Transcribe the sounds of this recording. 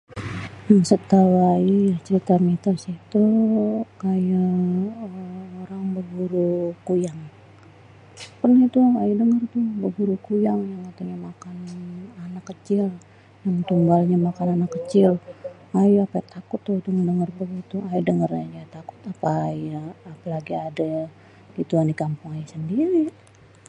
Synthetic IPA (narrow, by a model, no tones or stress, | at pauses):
əsət̪awaijat͡ʃəɾit̪amit̪ərsiht̪u | kaja | oɾaŋbəɡuɾukujaŋ | pərnait̪uajadəŋərt̪ʊhbəɡuɾukujaŋjaŋkat̪aɲamakananakːət͡ʃɪl | jaŋt̪uŋɡalɲamakananakːət͡ʃɪl | ajaapaat̪akʊt̪ːʊit̪uŋadəŋərbəɡit̪uajadəŋərad͡ʒat̪akʊ̥t̪apaːjaːpalaɡiada | ɡit̪uanikampʊŋajasəndiɾi